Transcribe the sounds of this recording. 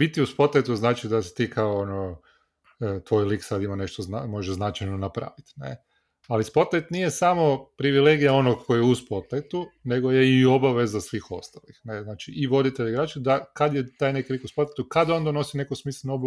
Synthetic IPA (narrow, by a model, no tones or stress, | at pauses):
bit̪iuspot̪ajt̪uznaːt͡ʃid̪ase̥t̪iːkʰaoono | t̪ʋo̞jliksad̪imaneʃt̪ozamo̞ʒeʒznat͡ʃajnonapɾa̰ːʋit̪nḛ | alispot̪ajt̪nije̞samo̞pɾiʋile̞ɡijao̞noɡkʰojeuspot̪ajt̪une̞ɡojeio̞baʋe̞zasʋiːxo̞st̪alixneznaːt͡ʃiiʋo̞d̪it̪eʎɡɾaːt͡ʃed̪akad̪jet̪aːjnekilikuspot̪ajt̪ukad̪ond̪ono̞sine̞kosmiːslˠenoob